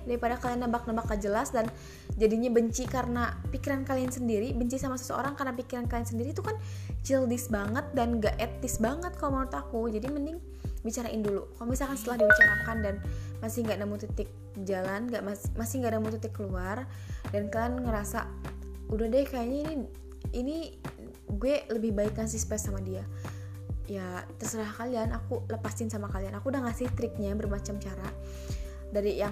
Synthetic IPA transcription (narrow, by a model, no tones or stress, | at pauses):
daipadakalianabak̚nəbakad͡ʒəlasdan | d͡ʒadiɲabəɲt͡ʃikarnapikiɾankaliansəndiɾibəɲt͡ʃisamasə̥səo̰ɾaŋkarnapikiɾankaliansəndiɾit̪ukant͡ʃildɪsbaŋət̪̚danɡaʔɛt̪ɪsbaŋət̪̚kalomaʊt̪akud͡ʒadimənɪŋ | bit͡ʃaɾaʔɪndulukalobisalkansət̪əlahdibit͡ʃaɾakandanmasɪhŋɡaʔnamut̪ut̪ɪk̚ | d͡ʒalanɡaʔmamasɪhŋɡaʔdamut̪ut̪ɪkːəluar | danklanŋəɾasa̰udahdɛhkajaɲaini | ini | ɡuɛləbɪhbaɪkɲasispɛsamadia | jat̪ərsəɾaɦkalianakuləpasɪnsamakalianakudahŋasɪht̪ɾɪk̚ɲabərmat͡ʃamt͡ʃaɾa | daɾijaŋ